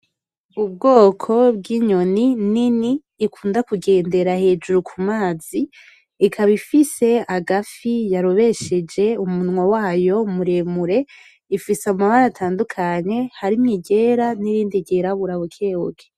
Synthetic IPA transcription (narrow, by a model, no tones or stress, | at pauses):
ub̚ɡo̞ːkʰo̞bɡiɲo̞nininiː | kʰuːndakuɡe̞ːnde̞ɾahe̞ːd͡ʒuɾukʰumaːz̥iː | kʰaβifise̞aɡafijaɾo̞βe̞ʃe̞d͡ʒe̞umunŋwawaːjo̞muɾe̞muɾe̞ | ifisamaβaɾatʰaːndukʰaɲe̞haɾimŋiɟe̞ɾaniɾiːndiɟeɾaβuɾaβokʰeːwokʰe̥